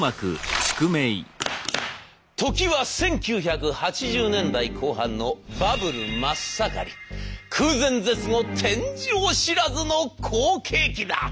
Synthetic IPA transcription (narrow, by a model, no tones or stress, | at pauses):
makɯ̟̰sɨ̥kɯmei | t̪o̞kʲiβasẽ̞ŋkʲɨːçakɯ̟hat͡ɕiʑɨːnẽ̞nd̪aikʰo̞ːɦãnːo̞babɯ̟ɾɯ̟masaka̰ɾʲḭkʰɯːzẽ̞nd͡ze̞t͡sɨno̞t̪ʰẽ̞ɲ̟d͡ʑioɕiɾazɨno̞kʰoːkʰe̞ːkʲid̪a̰